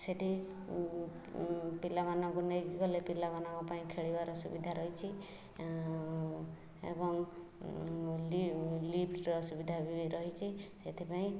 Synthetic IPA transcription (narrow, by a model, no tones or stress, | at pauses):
seʈʰi | pilamanɔŋkunekɡɔlepilamanɔŋkupaĩkʰeɭibaɾɔsubid̪ʱaɾɔɦit͡ʃʰi | ḛbɔŋ | llipʈɾɔsubid̪ʱabiɾɔɦit͡ʃʰiset̪ʰipaĩ